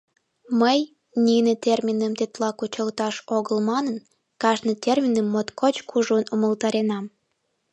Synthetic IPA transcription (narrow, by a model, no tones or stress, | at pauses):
məj | nʲinet̪ʲermʲinəmt̪et̪lɑkut͡ɕəlt̪ɑʃoɣəlmɑnən | kɑʒnət̪ermʲinəmːot̪kʰot͡ɕkʰuʒonuməlt̪ɑɾenɑm